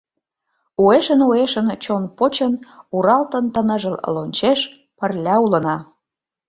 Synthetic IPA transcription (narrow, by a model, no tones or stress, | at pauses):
ueʃənoeʃənt͡ɕonpot͡ɕənuɾɑlt̪ənt̪ənə̆ʒəl̰lonʲt͡ɕeʃ | pərlʲɑulə̆nɑ